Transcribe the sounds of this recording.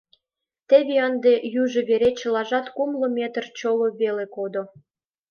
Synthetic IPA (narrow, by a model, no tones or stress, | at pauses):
t̪ĕβeɑnd̪ejuʒə̆βeɾet͡ɕə̆lɑʒɑt̪kumlŏmʲet̪rt͡ɕoloβelekod̪o